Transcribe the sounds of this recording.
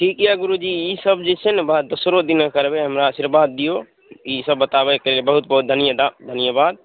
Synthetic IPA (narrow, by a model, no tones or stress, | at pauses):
ʈʰikijaɡuɾud͡ʒiisəbd͡ʒisʰenbad̪usɾod̪inkəɾbeɦəmɾaːsiɾbad̪ːijo | isəbːət̪abekəɾilebəɦut̪̚bəɦut̪̚d̪ʱənijəd̪ad̪ʱənijəbad̪̚